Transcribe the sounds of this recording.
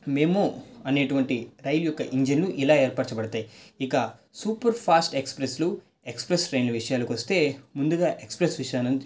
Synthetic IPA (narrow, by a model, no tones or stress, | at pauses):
me̞ːmoːɐne̞ːʈuʋɐɳʈiɾɐjlujɔkːɐʔiɲd͡ʒinluʔilaːe̞ːɾpaːt͡ʃɐbɐɽɐt̪aːjiikɐsuːpɐɾpʰaːsʈekspɾeslu | ekspɾesɾɐjnluʋiʂɐjaːlɐkʋɐst̪e̞ːmund̪uɡaːʔekspɾesʋiʂɐjaːnɐn